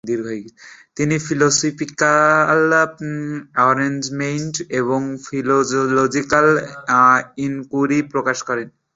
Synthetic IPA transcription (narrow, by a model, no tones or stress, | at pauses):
d̪iɾɡʱoeɡit̪inifʰilosopʰikal | ɔɾend͡ʑmenʈeβoŋfʰilod͡ʒlod͡ʑikal | inkuɾipɾokaʃkɔɾen